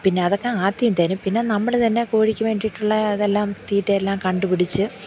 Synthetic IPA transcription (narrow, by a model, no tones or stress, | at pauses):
pinːe̞ɐðokːeaːt̪ːijunt̪ɐːnumpinːe̞nɐmːɐɭt̪ɐnːe̞koːɻikʲːuʋe̞ːɳɖiʈːuɭːɐɐðelːaːmt̪iːtːeːlːaːmkɐɳɖupiɽit͡ɕːɨ